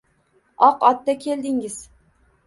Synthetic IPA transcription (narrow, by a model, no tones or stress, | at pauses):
ɒqɒt̪ːakʲʰeld̪ɪŋɪz̥